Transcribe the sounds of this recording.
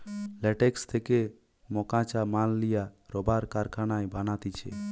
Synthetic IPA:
lɛʈɛkst̪ʰeke | mɔkãt͡ʃamalːijaɾɔbaɾkaɾkʰanajbanat̪it͡ʃʰɛ̰

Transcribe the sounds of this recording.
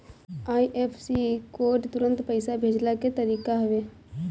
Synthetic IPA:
aːiʔːpʰsiːkoːɾʈt̪ʊɾə̃nt̪pəɪsabʱeːd͡ʒlaket̪əɾiːkaɦɐʋeː

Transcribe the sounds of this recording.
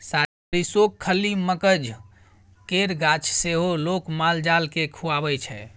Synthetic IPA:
sa | ɾisokʰːəlːiməkəd͡ʒ | keɾɡat͡ʃʰseɦolokmald͡ʒalkekʰuabɛt͡ʃʰɛ̰

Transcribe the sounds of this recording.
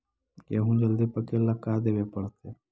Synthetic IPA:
keːɦũːd͡ʒəld̪ipəkelːakːaːd̪eːʋepəɽt̪e

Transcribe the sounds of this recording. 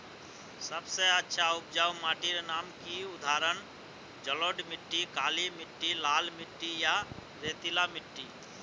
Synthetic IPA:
səbseətːʃʰaʊp̚d͡ʒawmaːʈiɾnaːmkiʊd̪ʱaːɾən | d͡ʒəloːɖmɪʈːikaːlimɪʈːilaːlmɪʈːija | ɾeːt̪ilamɪʈːi

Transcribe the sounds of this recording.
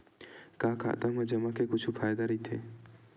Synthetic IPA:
kaːkʰa̰ːt̪amɐ̃d͡ʒɐmakʰekʊt͡ʃʰufʰaːjd̪aɾəit̪ʰḛ

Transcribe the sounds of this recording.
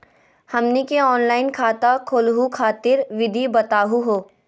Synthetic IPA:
hɐmnikeɔːnlaːɪnkʰaːt̪akʰoːlɦukʰaːt̪ɪɾʋɪd̪ʱibɐt̪aːɦuɦoː

